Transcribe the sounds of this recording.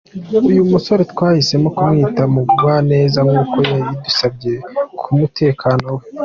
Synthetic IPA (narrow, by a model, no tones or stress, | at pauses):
ujumuso̞ɾe̞twaːhise̞mo̞kumŋiːtamuɡuɡwane̞ːzaŋɡuːko̞jajidusabɟe̞kʰumutʰe̞ːkʰano̞we